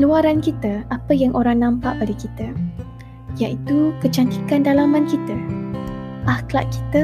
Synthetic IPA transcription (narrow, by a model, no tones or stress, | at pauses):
luaɾankit̪əapəjaŋʔoɾaŋnãmpaʔbadakit̪a | jaʔit̪ukət͡ʃant̪ikandalamãnkit̪a | ʔahkla̰ʔki̥t̪ə